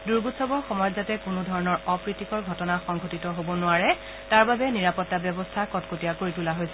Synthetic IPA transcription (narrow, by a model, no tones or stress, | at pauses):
duɹɡutsɔbɔɹxɔmɔjɔzatɛkʊnʊdʱɔɹɔnɔɹɔpɹitikɔɹɡʱɔtɔnaxɔŋɡʱotitɔɦobɔnʊaɹɛ | taɹbabɛniɹapɔtːabjɔbɔstʰakɔtkotiakoɹitulaɦojsɛ